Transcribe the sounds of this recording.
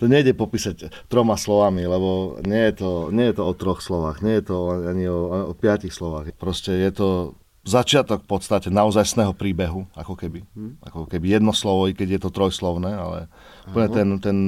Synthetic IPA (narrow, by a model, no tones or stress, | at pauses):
t̪ɔɲɛjɟɛpɔpiːsact̪ɾɔmaslɔʋamilɛbɔɲɛjɛt̪ɔɲɛjɛt̪ɔɔt̪ɾɔxslɔʋaːɣɲɛjɛt̪ɔaaɲiɔɔpɪacixslɔʋaːɣpɾɔscɛjɛt̪ɔ | zat͡ʃɪat̪ɔkpɔt̪st̪acɛnaɔzajsnɛːɦɔpɾiːbɛɦua̰kɔkɛbia̰kɔkɛbijɛd̪nɔslɔʋɔikɛɟjɛt̪ɔt̪ɾɔjslɔʊnɛːa̰lɛ̰ | upl̩ɲɛt̪ɛnt̪ɛn